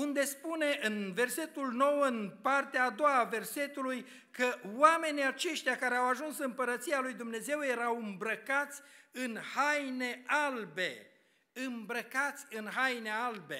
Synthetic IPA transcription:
und̪e̞spune̞ʔɨnve̞rse̞t̪ulno̞wəɨnpart̪eaːd̪o̞wave̞rse̞t̪uluj | kəwame̞niat͡ʃe̞ʃt̪eakaɾeawaʒunsɨɨmpəɾət̪sialujd̪umne̞ze̞wje̞ɾawɨmbɾəkat̪sʲɨnhajne̞albe̞ | ɨmbɾəkat̪sʲɨnɦajne̞albe̞

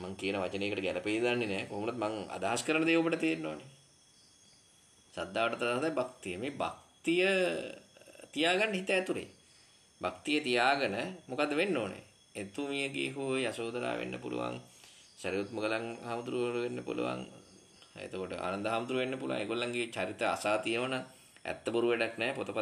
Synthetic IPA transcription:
maŋkijənəʋat͡ʃəneːkəʈəɡɛləpeːid̪anːenɛːkoɦomuɾut̪maŋa̰d̪aɦaskəɾənəd̪eːupəʈət̪ienːo̰ːne | sad̪ːaːʋəʈət̪ad̪aɦəd̪ajbak̚t̪ijəmeːba̰kt̪ijə | t̪ijaːɡanːəɦit̪əːt̪uɾḛ | bakt̪ijət̪ijaːɡənəmokad̪ːəʋenːoːnḛ | et̪umijəɡḛːɦujasoːd̪aɾa̰ːʋʔḛnːə̰pṵlṵʋa̰ŋ | sæɾiut̪muɡəlaŋhamd̪uɾuɾuʋenːəpṵlṵʋa̰ŋ | ḛt̪okoʈəʔa̰ːnand̪əɦamud̪uɾuʋenːəpuluʋa̰ŋeɡolːaŋɡet͡ʃaɾit̪əa̰saːt̪ijəʋana | ɛ̰t̪ːəboɾuʋeɖaknɛːpot̪opa

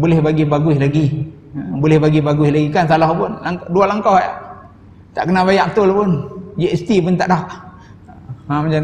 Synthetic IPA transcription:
bolɛhbaɡibaɡuɪhlaɡi | bolɛhbaɡibaɡuɪhlaɡikansalɔhpʊnlaŋkdualaŋkawhajaʔ | t̪a̰ʔkənabajaʔt̪ʊlpʊnd͡ʒeʔst̪ipʊnt̪aʔda | amat͡ʃan

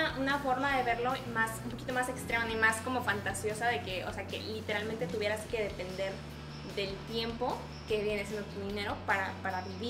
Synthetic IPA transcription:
aʔunafo̞ɾmaðe̞βe̞ɾlo̞masumpoki̥t̪o̞mase̞kst̪ɾemanimasko̞mo̞fant̪asjo̞saðe̞ke̞o̰se̞ake̞̰lit̪e̞ɾalmẽnt̪e̞t̪uβje̞ɾaske̞ð̞e̞pe̞nd̪e̞ɾ | ðe̞lt̪je̞mpo̞ | ke̞βjeneasje̞nd̪ot̪uðine̞ɾo̞paɾapaɾaβiβi

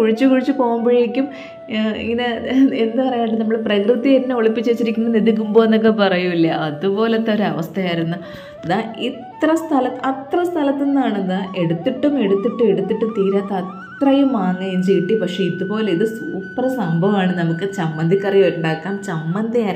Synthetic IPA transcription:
kuɻit͡ɕːukuɻit͡ɕːukoːmbɐɻiikʲːum | ḭŋːɐneenːɨpɐrɐjanːɐʈːɨnɐmːɐɽeprɐkrɨt̪ːienːeoɭipːit͡ɕːe̞ːt͡ɕːiɾikʲːunːniðik̬ʲːumbo̞ːenːok̬ːepɐrɐjumilːɐʔɐðupo̞ːlet̪ːɐoɾɐʋɐst̪ʰɐjaːjiɾunːu | ðaitt̪rɐst̪ʰɐlɐt̪ːɨɐt̪rɐst̪ʰɐlɐt̪ːenːaːɳenːɨʔe̞ɽut̪ːiʈːume̞ɽut̪ːiʈːɨe̞ɽut̪ːiʈːumt̪iːɾaːt̪ːɐɐt̪rɐjumaːŋːɐjumt͡ɕejʈːipɐkʂe̞iðupo̞ːleiðɨsuːpːrsɐmbʱɐʋaːɳɨnɐmukːɨt͡ɕɐmːɐnd̪ʱikːɐrɐjojuɳɖaːkːaːnt͡ɕɐmːɐnd̪ʱijaːn

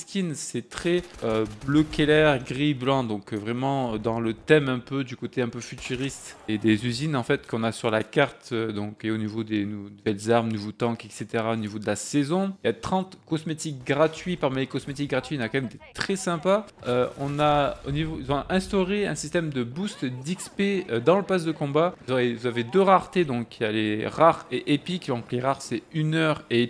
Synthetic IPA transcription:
skʲinsɛt̪χɛøbløkelɛʁɡʁiblɑ̃d̪ɔ̃kvʁɛmɑ̃d̪ɑ̃lət̪ɛmɛ̃pød̪ykot̪eɛ̃pøfyt̪yʁist̪ed̪ezyzinɑ̃fɛt̪kɔ̃nasyʁlakaʁt̪ød̪ɔ̃keonivod̪enunuvɛlzaʁmnuvot̪ɑ̃kɛkset̪eʁaonivod̪əlasɛzɔ̃iljat̪χɑ̃t̪kɔsmet̪ik̚ɡʁat̪ɥipaʁmilekɔsmet̪ik̚ɡʁat̪ɥiɔ̃nakɑ̃mɛmet̪et̪χɛsɛ̃pa | øɔ̰̃naonivoilzɔ̃ʔɛ̃st̪ɔʁeɛ̰̃sist̪ɛmd̪əbust̪d̪ikspeød̪ɑ̃ləpas̬d̪əkɔ̃bazevuzaved̪øʁaʁt̪ed̪ɔ̃kːjaleʁaʁeʔepikd̪ɔ̃kleʁaʁsɛynœʁe

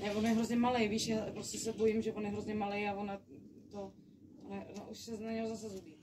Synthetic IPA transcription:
nɛvonjɛɦɾozɲɛmalejviːʃjaːpɾoscɛsɛbo̞jimʒɛvonjɛɦɾozɲɛmalejavon | t̪o | onɛʔonoʔuʃsɛnaɲɛɦozasɛzubiː

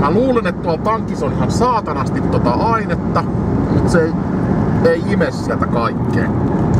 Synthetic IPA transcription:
mæluːlenet̪t̪uɑlpɑŋkːˑisonihɑnsɑːt̪ɑnɑst̪it̪t̪ot̪ɑɑinet̪ːɑmut̪sei | eiimessiælt̪ækɑikːḛːn

